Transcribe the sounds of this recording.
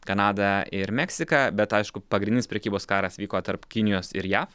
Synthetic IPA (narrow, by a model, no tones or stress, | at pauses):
kɐnɑːd̪ɐɪɾmʲɛksʲɪkɐbʲɛt̪ɐɪʃkʊpɐɡɾʲɪnʲɪnʲɪspʲɾʲɛkʲiːboːskɑːɾɐsʋʲiːkoːt̪ɐɾpkʲɪnʲɪjoːsɪɾjæːf